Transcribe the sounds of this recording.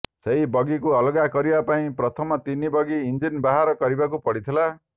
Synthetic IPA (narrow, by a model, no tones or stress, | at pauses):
sejbʌɡikuʌlɡakʌɾibapaĩpɾʌt̪ʰɔmɔt̪inibʌɡiːnd͡ʒinbaɦaɾɔkʌɾibakupɔɽit̪ʰila